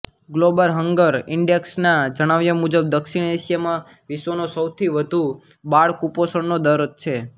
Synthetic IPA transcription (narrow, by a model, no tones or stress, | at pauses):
ɡlobəlɦəŋɡəɾɪɳɖeksnad͡ʒəɽ̃aʋjamud͡ʒəb̚d̪əkʃiɳeʃijamã | ʋisʋonosəwt̪ʰiʋəd̪ʱu | baɭkuposəɳnod̪əɾt͡ʃʰe